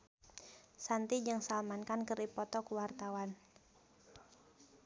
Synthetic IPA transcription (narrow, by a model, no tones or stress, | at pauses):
sant̪id͡ʒɨŋsalmankankəripɔt̪ɔkuwart̪awan